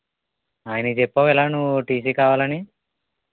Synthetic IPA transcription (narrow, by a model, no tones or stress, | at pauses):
aːjɐnɐt͡ʃepːaʋɛlaːnuʋʈiːs̬iːkaːʋaːlɐni